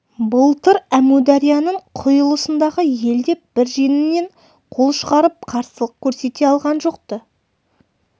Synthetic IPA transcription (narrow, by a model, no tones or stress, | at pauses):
bʊlˠt̪əɾæmud̪ɑɾijɑnəɴqʰʊjəlˠəsənd̪ɑʁəje̞ld̪e̞b̥ɪɾʒenɪne̞ɴ | qʰo̞lˠʃəʁɑɾəp̚qʰɑɾsəlˠəq̚kʲʰɵɾse̞t̪e̞ɑlˠʁɑnʒo̞q̚t̪ə